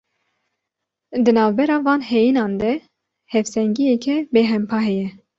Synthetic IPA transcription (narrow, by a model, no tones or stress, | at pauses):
d̪ɨnɑːvbɛɾɑːvɑːnhɛjinɑːnd̪ɛ | hɛfsɛŋɡijɛkʰɛbeːɦɛmpʰɑːɦɛjɛ